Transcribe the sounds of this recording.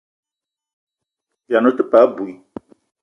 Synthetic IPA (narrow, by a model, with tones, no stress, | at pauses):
ja˨nʊ̃˦t̪ʊ˦pa˨˦bu˨i˦